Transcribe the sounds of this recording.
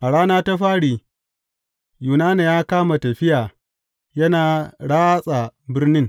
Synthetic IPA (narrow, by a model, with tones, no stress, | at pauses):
ʔa˨ɽaː˦naː˦ta˦ɸaː˦ɽiː˨ | juː˨naː˦na˨jaː˦kaː˦ma˨tɐ˨ɸɪ˦jaː˨ | jɐ˦naː˨ɽaː˦sʼa˨bɪ˦rnɪ˦ŋ